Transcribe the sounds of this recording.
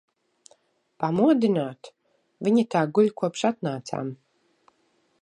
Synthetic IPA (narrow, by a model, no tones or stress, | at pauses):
pamuɔd̪inaːt̪ | vʲiɲit̪aːɡulʲkuɔpʃat̪̚naːt̪sa̰ːm